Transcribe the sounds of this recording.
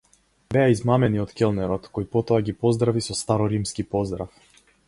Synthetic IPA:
bɛaizmamɛniɔt̪kʲɛlˠnɛɾɔt̪kɔjpɔt̪ɔaɡipɔzd̪ɾavisɔst̪aɾɔɾimskipɔzd̪ɾaf

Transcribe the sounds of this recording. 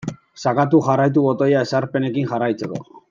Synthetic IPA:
sakat̪̬uʝarajt̪̬uβo̞t̪o̞jae̞saɾpe̞ne̞kinʝarajt͡se̞ko̞̰

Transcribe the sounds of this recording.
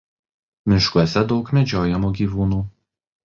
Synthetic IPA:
mʲɪʃkuɔsʲɛd̪ɒʊkmʲɛd͡ʒʲoːjɛmuːɡʲiːʋuːnuː

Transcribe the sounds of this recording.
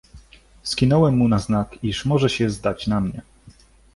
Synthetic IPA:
skʲinɔwɛmːunaznakiʂmɔʐɛɕɛzd̪at͡ɕnamɲɛ̰

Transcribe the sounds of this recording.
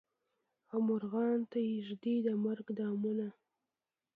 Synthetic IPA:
amʊɾɣɑnt̪ajɪʒd̪id̪əmaɾɡd̪ɑmuna

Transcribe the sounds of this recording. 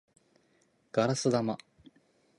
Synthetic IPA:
ɡ̥aɾasɨd̪ama

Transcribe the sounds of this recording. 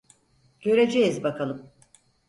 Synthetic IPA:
ɟ̥ø̞ɾed͡ʒejizbakʰalˠɯm

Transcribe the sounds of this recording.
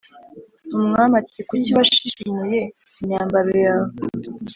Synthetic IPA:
umŋamatikuciβaʃiʃimuje | ɲaːmbaɾojaːβo

